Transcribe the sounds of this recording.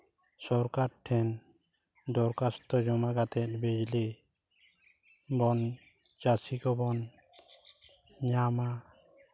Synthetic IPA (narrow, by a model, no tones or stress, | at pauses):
sɔɾkaɾʈʰɛn | d̪ɔɾkast̪ɔd͡ʒɔmaɡat̪ɛt̪̚bed͡ʒli | bɔn | d͡ʒasikɔbɔn | ɲama